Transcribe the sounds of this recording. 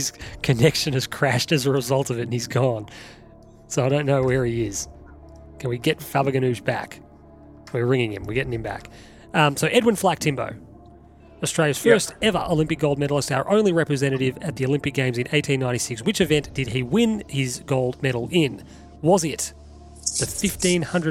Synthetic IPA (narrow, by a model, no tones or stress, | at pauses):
z̥kʰɨnɛkʃɨ̃nɨz̥kʰɹ̥æʃtɨzəɹɨzʌlˠtʌvɨtn̩izɡɔ̃n | soʊaɪɾõʊ̃nːoʊwə˞iɪz̥ | kʰɨ̃nwiɡɛtfæbɨɡɨ̃nʉzbæ̰k | wɨ˞ɹɪ̃ŋɪ̃ŋɨ̃mwɨɹɡɛɾɪ̃ŋɨ̃mbæ̰k | ʌ̃soʊʔɛd̚wɨ̃nflæk̚tʰɪ̃mbo̰ʊ | ɨstɹ̥eɪlˠɨz̥fɜ˞stɛvə̰˞ʔəlɪ̃mpɨk̚ɡ̥oʊlˠd̚mɛɾl̩ˠəstaʊə˞ʔõʊ̃nlˠiɹɛpɹɨzɛ̃ɾ̃ɨɾɪvɨt̪̚ðioʊlɪ̃mpɨk̚ɡ̥ẽɪ̃mzɨ̃neɪtʰĩnːãɪ̃ɾ̃isɪkswɨt͡ʃɨvɛ̃nd̥ɨd̚iwɪ̃nhɪzɡoʊlˠd̚mɛɾl̩ˠɪ̃n | wʌzɪt̪̚ | ðɨfɪftĩnhʌ̃ndɹɨ